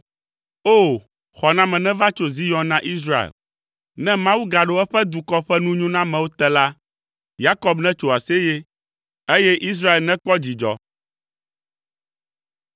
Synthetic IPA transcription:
o˦˨ | xɔ˨nã˦mɛ̃˨nɛ̃˦va˦t͡ʃo˨zi˦jɔ̃˨˦nã˦ʔi˦s̬ɾa˦˨ḛ˨l | nɛ̃˦mã˦wu˦ɡa˨ɖo˦ɛ˦ɸɛ˦d̪u˨kɔ˦ɸɛ˦nũ˦ɲũ˦nã˦mɛ̃˨wo˦t̪ɛ˦la˦ | ja˦kɔ˦bnɛ̃˦t͡ʃo˨a˨se˦je˦ | e˦jɛ˦ʔi˦s̬ɾa˦e˨lnɛ̃˦k͡pɔ˦d͡ʑi˨d͡ʒɔ̰˦

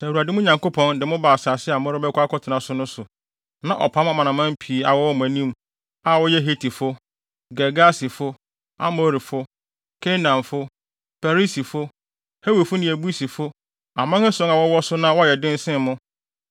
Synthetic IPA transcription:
sæ˨u˨a˨dɪ˦mʊ̃˦ɲã˨ŋko˦pʰɔ̃˦ndɪ˨mʊ̃˦ba˨sa˨sɪ˦a˨mɔ˦ɾɪ˦bɛ˦kʷa˦kʰɔ˦tʰɪ˨nã˨sʊ˦nʊ̃˦sʊ˨ | nã̰˦˨ʔɔ̰˨pʰã˦ma˨mã˨nã˨mã˦m˦pʰi˨˦a˨wɔ˦wɔ˦mʊ̃˨æ˨nĩ˦m˨ | a˨wɔ˦jɛ˦ɦe˦tʰi˨fʊ˦ | ɡɛ˨ɡa˦si˨fʊ˦ | a̰˦mo˦ɾi˨fʊ˦ | kʰe˦nã˨mfʊ˦ | fɛ˨ɾi˦si˨fʊ˦ | he˦wi˨fʊ˦nɪ̃˨æ˨bu˦i˦si˨fʊ˦ | a˨mã˦ɛ˦sɔ̃˨˦ŋa˨wɔ˦wɔ˦sʊ˦nã˦wɔ˦jɛ˨dɪ̃˦n̩˦sɪ̃˦mmʊ̃˦

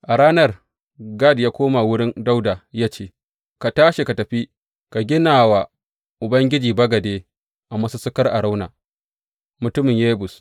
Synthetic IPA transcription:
ʔa˨ɽaː˦nɐ˦r | ɡa˦˨djaː˦kʷoː˦ma˨wʊ˦ɽɪ˦nda˦wdaː˨jaː˦t͡ʃeː˦ | ka˨taː˦ʃe˨ka˨tɐ˨ɸi˦ | ka˨ɡʲɪ˦naː˨wa˨ | ʔʊ˨bɐ˦ŋɡʲɪ˦d͡ʒiː˨bɐ˦ɡɐ˨deː˦ | ʔa˨mɐ˦su˦sʊ˦kɐ˦rʔa˨ɽa˦wna̰ː˨ | mʊ˨tʊ˦mɪ˨ɲjeː˦bʊ˨s

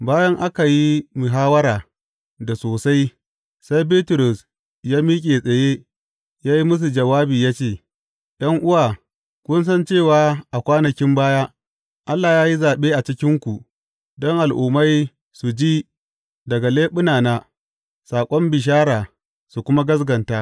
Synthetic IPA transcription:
baː˦jɐ˦ŋʔa˦ka˨ji˦mʊ˨ɦaː˦wɐ˦ɾaː˨ | da˨soː˨sa˦j | sa˦jbiː˦tʊ˨ɾʊ˨s | jaː˦miː˦kʲʼeː˨sʼɐ˨je˦ | jaː˦ji˦mʊ˦s̬u˨d͡ʒɐ˨waː˦biː˨jaː˦t͡ʃeː˦˨ | j̰ɐ˦ŋʔʊ˦waː˨ | kʷʊ˦ns̬ɐ˦nt͡ʃeː˦˨waː˦ʔa˨kʷaː˦nɐ˨kʲɪ˦mbaː˦jaː˦ | ʔa˦lːaː˨jaː˦ji˦zaː˨ɓeː˦ʔa˨t͡ʃɪ˦kʲɪ˦ŋkʷu˨ | dɔ˦ŋʔa˨lʔṵː˨ma˦j | su˨d͡ʒiː˦ | dɐ˨ɡa˨leː˦ɓʊ˦naː˨naː˦ | saː˨kʷʼɔ˦mbɪ˨ʃ̬aː˦ɾaː˨ | su˨kʷʊ˦ma˦ɡɐ˦s̬ɡɐ˨ntaː˦

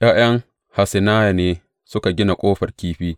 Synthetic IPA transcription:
jaː˦j̰ɐ˦ŋ | ha˨sɪ˨naː˦ja˨neː˦ | sʊ˦ka˨ɡʲɪ˦na˨kʷʼoː˦ɸɐ˨rkʲiː˦ɸiː˦

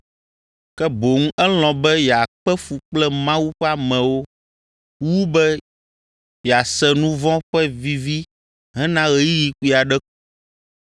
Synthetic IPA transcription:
kɛ˦bo˨ŋ̩˦ɛ˦l̃ɔ̃˨bɛ˦jɛ˨a˨k͡pɛ˦fu˨k͡plɛ˦mã˦wu˦ɸɛ˦a˦mɛ̃˨wo˦ | wu˦bɛ˦ | jɛ˨a˨sɛ˦nũ˦vɔ̃˦ɸɛ˦vi˦vi˦ | ɦɛ̃˦nã˦ɣɛ˦ji˦ji˨ki˦a˨ɖɛ˦ku˦

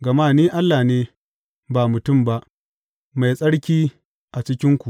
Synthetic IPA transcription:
ɡɐ˨maː˦˨niː˦ʔa˦lːaː˨neː˦ | baː˨mʊ˨tʊ˦˨mba˦ʔ | ma˨jsʼɐ˦ɽkʲiː˦ | ʔa˨t͡ʃɪ˦kʲɪ˦ŋkʷu˨ʔ

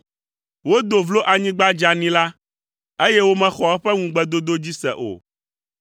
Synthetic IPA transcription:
wo˦d̪o˨vlo˦ʔa˨ɲĩ˦ɡ͡ba˦d͡ʒa˨nĩ˦la˦ | e˦jɛ˦wo˦mɛ̃˨xɔ˨ɛ˦ɸɛ˦ŋũ˨ɡ͡bɛ˨d̪o˦d̪o˦d͡ʑi˦sɛ̰˨ʔo̰˨

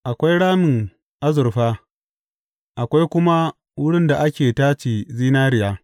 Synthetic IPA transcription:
ʔa˨kʷa˦jɽaː˦mɪ˨ŋ | ʔa˦zʊ˨rɸaː˦ | ʔa˨kʷa˦jkʷʊ˦ma˦ | wʊ˦ɽɪ˦nda˨ʔa˦kʲeː˨taː˦t͡ʃiː˨ziː˦naː˦ɾɪ˨jaː˦

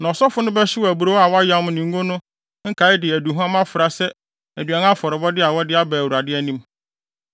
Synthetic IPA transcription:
nã˨ɔ˨sɔ˦fʊ˦nʊ̃˦bɛ˦ɕɪ˦wɔ˨æ˨bu˨ɾo˦wa˨wɔ˦a˦ja˦m˦nĩ˨ŋ̩˦ɡo˦nʊ̃˦ | ŋ̩˦kʰa˨˦ɪ˦dɪ˨æ˨du˨ɦʊ̃˦a˦mã˦fɪ˨ɾa˨sɛ˦ | æ˨dɥa˨nã˦fɔ˨ɾɪ˨bɔ˦dɪ˦a˨wɔ˦dɪ˦a˦bæː˨wu˨ɾa˨dɪ˦æ˦nĩ˦m

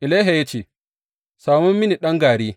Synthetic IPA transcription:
ʔɪ˨la˦ɦa˨ja˦t͡ʃeː˨ | saː˨mɔ˦mːɪ˦ni˨ɗɐ˦ŋɡaː˨ɽiː˦

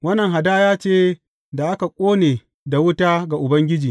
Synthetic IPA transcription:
wɐ˦nːɐ˨ŋɦa˨daː˦jaː˦t͡ʃeː˦ | da˨ʔa˦ka˨kʷʼoː˦neː˨ | da˨wʊ˦taː˦ɡa˨ʔʊ˨bɐ˦ŋɡʲɪ˦d͡ʒiː˨

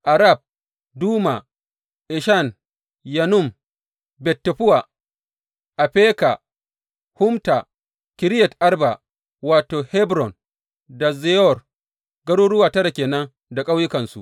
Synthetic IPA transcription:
ʔa˨ɾa˦˨b̚ | duː˦ma˨ | ʔɪ˨ʃa˦˨n | ja˨nʊ˦˨m | bɛ˨tːɛ˨ɸʊ˦wa˨ | ʔa˨ɸeː˦ka˨ | hʊ˦mta˨ | kɪ˨ɾɪ˦jɛ˨tʔa˦ɾba˨ | waː˨toː˨hɛ˦bɾɔ˨n | da˨ze˦ɔ˦˨r | ɡɐ˦ɽoː˦ɽʊ˦waː˨tɐ˦ɽa˨kʲeː˨nɐ˦ŋ | da˨kʼa˦wjɪ˦kɐ˨nsṵ˨ʔ

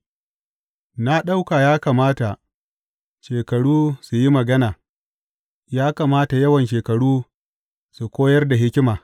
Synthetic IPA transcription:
na˦ɗa˦wkaː˨jaː˦kaː˨maː˦ta˨ʔ | ʃeː˨kɐ˨ɽuː˦su˨ji˦mɐ˨ɡɐ˦naː˨ | jaː˦kaː˨maː˦ta˨jɐ˦wɐ˨nʃeː˨kɐ˨ɽuː˦ | su˨kʷoː˦jɐ˦rda˨ɦɪ˦kʲɪ˦maː˨

